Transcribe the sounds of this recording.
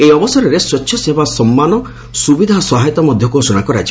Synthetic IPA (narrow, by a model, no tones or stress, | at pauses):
eiɔbɔsɔɾɔɾeswɔt͡ʃːʰjɔsebʱasɔmːanɔ | subid̪ʱasɔɦajt̪ɔmɔd̪ʱjɔkusunakɔɾa̰d͡ʒi